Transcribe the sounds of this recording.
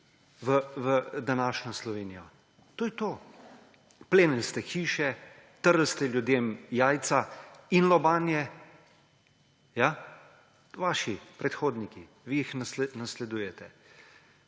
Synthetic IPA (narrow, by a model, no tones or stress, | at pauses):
ʋəʋəd̪anaːʃnɔslɔʋeːnijɔ | t̪oːjɛt̪oː | pleːnɛlst̪ɛxiːʃɛt̪əɾlst̪ɛljud̪eːmjaːjt̪sainlɔbaːnjɛ | ja | ʋaːʃipɾɛt̪xoːd̪niki | ʋijixnsnaslɛd̪uːjɛt̪ɛ